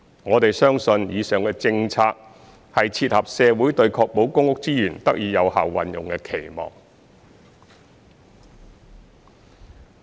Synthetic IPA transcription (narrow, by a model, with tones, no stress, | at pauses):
ŋɔː˨˧t̪e˨jsœː˥ŋsɵ˧njiː˨˧sœː˨ŋkɛː˧t͡sɪ˧ŋt͡sʰaː˧k̚ | hɐ˨jt͡sʰiː˧t̚hɐ˨p̚sɛː˨˧wuː˨˥jt̪ɵ˧ɥkʰɔː˧k̚mo˨˥wkʊ˥ŋʊ˥k̚t͡siː˥jyː˨˩nt̪ɐ˥k̚jiː˨˧jɐ˨˧wha̰ː˨˩wwɐ̰˨njʊ˨ŋkɛː˧kʰe˨˩jmɔ̰ː˨˩ŋ